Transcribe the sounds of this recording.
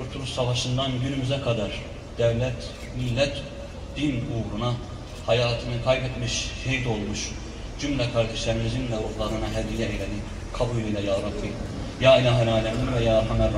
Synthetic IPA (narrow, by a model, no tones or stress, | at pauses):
uɾt̪ʰuɾusɑvɑʃɯnd̪anɟynymyzɛkʰad̪aɾ | d̪̥ɛvlɛt̪ | milːɛt̪ʰ | d̪̥inuɣɾuna | hɑjaːt̪ʰɯnɯkʰajbɛt̪miʃhejt̪o̞lˠmuʃ | d͡ʒymlʲɛkʰaɾd̪ɛʃlʲɛɾimid͡ʒinlɛɾuxlˠaɾɯnɑɦɛd̪ijɛejlɛni | kʰɑbujlʲˠijlʲˠɛjɑːɾap̪ʰːi | jaːilaɦɛlaːlɛmimvɛjaːɦɑmɛɾl